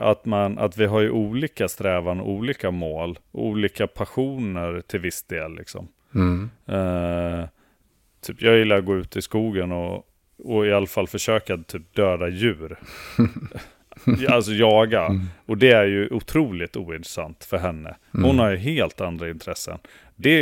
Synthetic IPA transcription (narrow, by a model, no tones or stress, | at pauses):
at̪mana̰t̪vɪɦaɾjɵʔuːliːkast̪ɾɛːvanɔ̰ʔuːliːkamoːlɔṵːliːkapʰaɧuːnəɾʈʰɪlvɪsd̪̥eːlːɪ̰ksɔ̰m | t̪ʰyːpjɑːɡjɪlːaɾɡoːʉ̟ːt̪ɪskuːɡənɔ | ɔɪalːafalːfœʂøːkat̪ʰyːp̚d̪øːd̪ajʉ̟ːɾ | alsɔjɑːɡaɔd̪ɛæɾjɵʔʊt̪ʰɾuːlɪt̪uːɪnt̪ɾɛsa̰nt̪fœɾɦɛnːə̰ | hʊnhaɾjɵɦeːlt̪and̪ɾaɪnt̪ʰɾɛsːə̰n | d̪ɛ